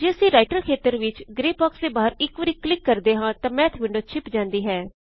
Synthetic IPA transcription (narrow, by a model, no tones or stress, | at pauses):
d͡ʒeːəsĩːɾaːɪʈəlkʰeːt̪əɾʋɪt͡ʃɡɾeːpɔːksd̪eːbaːəɾɪkʋəɾiːklɪkːəɾd̪eːɦãːt̪ãːmɛ̃ːt̪ʰʋɪ̃ɳɖoːt͡ʃʰɪpd͡ʒãːnd̪iːɦɛː